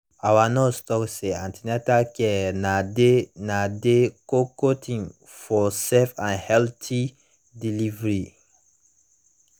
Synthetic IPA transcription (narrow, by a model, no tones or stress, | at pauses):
awanɔstɔkseãntʰinatakɛnadenadekokotʰĩŋ | fɔsɛfãnhɛltʰi | dilivɹi